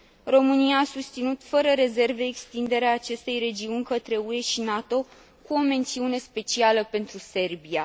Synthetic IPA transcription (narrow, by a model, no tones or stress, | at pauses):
ro̞mɨnijaːsust̪sinut̪fəɾəɾe̞ze̞rve̞ːkst̪ind̪e̞ɾeaːt͡ʃe̞st̪e̞jɾe̞d͡ʒiunʲkət̪ɾe̞ue̞ʃinat̪o̞ | kuo̞me̞nt̪siune̞spe̞t͡ʃialəpe̞nt̪ɾuse̞rbia